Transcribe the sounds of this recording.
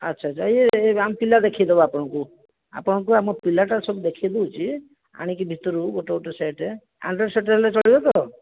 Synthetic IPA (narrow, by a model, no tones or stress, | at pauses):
ətːt͡ʃʰat͡ʃʰajeeampilad̪ekʰijd̪ebɔapɔɽ̃ɔ̃ku | a̰pɔɽ̃ɔ̃ŋkuamɔpilaʈasɔbud̪ekʰijd̪eut͡ʃʰi | a̰ɽ̃ik̬ibʱit̪ɔɾuboʈɔoʈɔseʈe | a̰ɳɖɾeseʈelet͡ʃɔɭibɔt̪ɔ